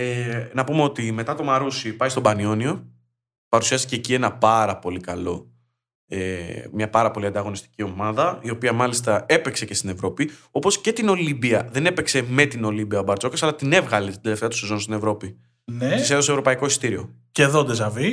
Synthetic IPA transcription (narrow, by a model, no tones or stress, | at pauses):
enɐpumeo̞t̪ime̞t̪ɐt̪o̞mɐɾusipɐist̪o̞bɐnio̞nio̞ | pɐɾusiɐst̪iceːcie̞nɐpɐɾɐpo̞likɐlo̞ | emɲɐpɐɾɐpo̞liɐnd̪ɐɣo̞nist̪i̥cio̞mɐðɐio̞piɐmɐlist̪ɐe̞pekse̞cest̪ine̞vɾo̞pio̞po̞sce̞t̪ino̞libiɐðe̞ne̞pe̞kse̞me̞t̪ino̞libiɐobɐɾt͡ʃo̞kɐsɐlɐt̪ine̞vɣɐlit̪ind̪e̞le̞ft̪eɐt̪u̥sezo̞nust̪inevɾo̞pi | neiseðo̞sevɾo̞pɐiko̞ist̪iɾio̞ | ceðod̪ezɐvi